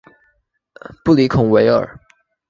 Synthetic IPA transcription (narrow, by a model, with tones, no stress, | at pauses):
pu˥˩li˧˥kʰʊ˨˩ŋwe˧˥ɪə̰˞˨˩